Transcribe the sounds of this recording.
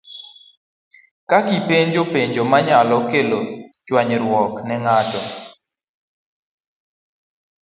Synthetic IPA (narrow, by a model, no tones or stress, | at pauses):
kakipeɲd͡ʒopeɲd͡ʒomaɲalɔkelot͡ʃwaɲɾwɔknɛŋatɔ